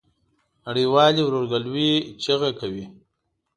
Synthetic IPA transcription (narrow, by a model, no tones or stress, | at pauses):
naɽiwɑːliwɾoɾɡalwit͡ʃaɣakawi